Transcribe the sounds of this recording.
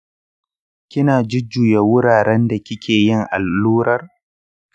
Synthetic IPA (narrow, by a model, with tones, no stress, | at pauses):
kʲɪ˦naː˨d͡ʒɪ˦d͡ʒːuː˨je˦wʊ˦ɾaː˨ɾɛ˦nda˨kʲɪ˦kʲʰeː˨jɪ˦ŋʔa˨lːuː˦ɾɐ˦r